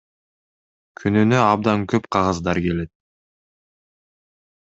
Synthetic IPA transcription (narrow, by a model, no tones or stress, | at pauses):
kʰynynøɑb̚d̪ɑŋkøpqʰɑʁɑzd̪ɑɾke̞le̞t̪̚